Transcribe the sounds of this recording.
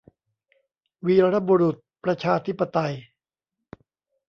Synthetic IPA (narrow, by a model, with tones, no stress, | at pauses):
wiː˧ɾa˦˥bu˧ɾu˨˩t̪̚pɾa˧t͡ɕʰaː˧t̪ʰi˦˥pːa˧t̪a˧j